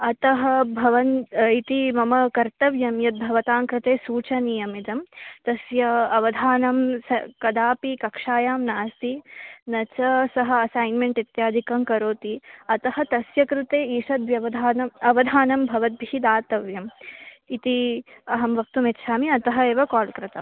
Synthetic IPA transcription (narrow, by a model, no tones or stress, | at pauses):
ɐt̪ɐɦɐbʱɐʋɐnit̪imɐmɐkɐɾt̪ɐʋjɐmjɐt̪̚bʱɐʋɐt̪aːŋkɾɪt̪eːsuːt͡ʃɐniːɐmid̪ɐmt̪ɐsjɐɐʋɐd̪ʱaːnɐmsɐkɐd̪aːpikɐkʂaːjaːmnaːst̪inɐt͡ʃɐsɐɦɐ̆ɐsaːjnmeɳʈit̪jaːd̪ʱikɐmkɐɾoːt̪iɐt̪ɐɦɐt̪ɐsjɐkɾɪt̪eːiːʂɐt̪ʋjɐʋɐd̪ʱaːnɐmɐʋɐd̪ʱaːnɐmbʱɐʋɐt̪̚bʱiid̪aːt̪ɐʋjɐmit̪iɐɦɐmʋɐk̚t̪umet̪ːʃʰaːmiɐt̪ɐɦɐeːʋɐkaːlkɾɪt̪ɐ̰m